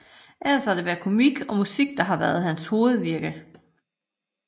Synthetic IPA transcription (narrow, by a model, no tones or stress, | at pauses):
ʔælɐshɑ̈d̥e̝ʋæːɐkʰo̝miɡ̥ɒ̽musiɡ̥d̥ɑ̈ɦɑ̈ʋæːɐð̞ˠhænsho̝ːð̞̩ˠʋiɐɡ̥ə